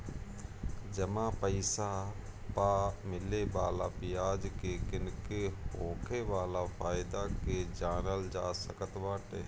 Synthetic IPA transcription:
d͡ʒəmãpəɪsapaːmɪlebaːlapɪjaːd͡ʒkekɪnkeɦoːkʰeʋaːlafʰaːɪd̪aked͡ʒaːnəld͡ʒaːsəkət̪ʋaːʈḛː

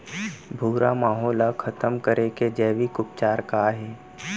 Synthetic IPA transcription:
bʱuːɾamaːɦɔːlakʰɐt̪əmkəɾeked͡ʒɛːʋikʊp̚t͡ʃaːɾkaɦɛː

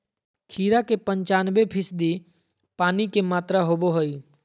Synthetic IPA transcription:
kʰiːɾakepə̃ɲt͡ʃaːnbepʰɪsd̪i | paːnikemaːt̪ɾaɦoːboɦoi

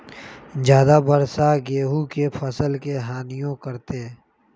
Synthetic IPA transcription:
d͡ʒjaːd̪abəɾsaɡeːɦukepʰɐsəlkeɦaːnijõkɐɾt̪eː

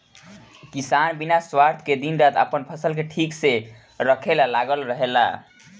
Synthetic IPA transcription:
kisanbinaswaɾt̪ʰked̪inɾat̪ə̰pənpʰəsəlkeʈʰikse | ɾəkʰelalaɡəlɾəɦela̰

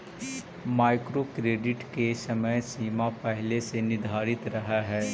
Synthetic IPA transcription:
maːɪkɾokɾeːɖɪʈkesɐməjsiːmapɛɦlesenɪd̪ʱaːɾɪt̪ɾɐɦaɦɛː

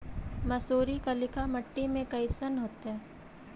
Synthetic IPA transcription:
mɐsoːɾikalɪkʰamɐʈːimẽkɐjisənɦoːt̪ɦɛː

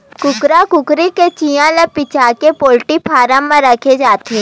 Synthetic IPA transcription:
kʊkɾakʊkɾiket͡ʃijãləpɪt͡ʃakepoːlʈipʰaːɾə̃mːãɾɐkʰed͡ʒaːt̪eɛ

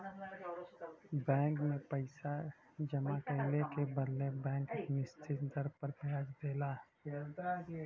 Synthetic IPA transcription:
bɛ̃ːŋkmẽpəɪsa | d͡ʒəmakəɪlekebəd̪lebɛ̃ːŋknɪst͡ʃɪt̪d̪əɾpəɾt̪aːd͡ʒd̪eːlaː

